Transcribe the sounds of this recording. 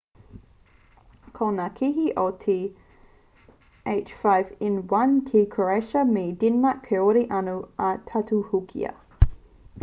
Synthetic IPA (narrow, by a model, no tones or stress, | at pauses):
kʰonakʰiɦiʔotʰi | eɪt͡ʃfaɪvɪnwɐnkʰikʰəɹɛʃɐmedinmɐkʰɛoɾiʔɐnuɐtʰatʰuhukʰḭɐ̰